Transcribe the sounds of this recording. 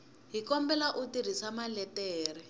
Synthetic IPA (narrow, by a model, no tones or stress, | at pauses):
ɦikɔmbɛlaʔutiɾ̤isamalɛtɛːrɛ